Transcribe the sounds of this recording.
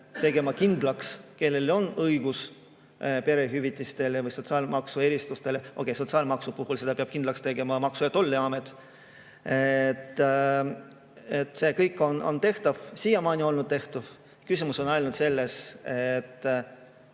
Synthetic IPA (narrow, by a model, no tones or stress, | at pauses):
t̪e̞ɡ̥e̞mɑkind̪lɑkske̞lːe̞lo̞nɤiɡ̥us | pe̞ɾe̞ɦyvit̪ʲːˑist̪e̞levɯjso̞t̪siɑːlmɑksue̞ɾist̪ust̪e̞leʔo̰ke̞jso̞t̪siɑːlmɑksupuhulse̞d̪ɑpeɑb̥̚kind̪lɑkst̪e̞ɡ̥e̞mɑmɑksujɑt̪o̞lːiɑmet̪ːˑ | et̪ː | e̞t̪ːˑse̞ːkɤjkːˑo̞no̞̰nt̪e̞ht̪ɑv̥sijɑmɑːnʲio̞lnud̪̥̚t̪e̞ht̪ɑv | kysʲimuso̞nɑjlnud̪̥se̞lːe̞set̪ː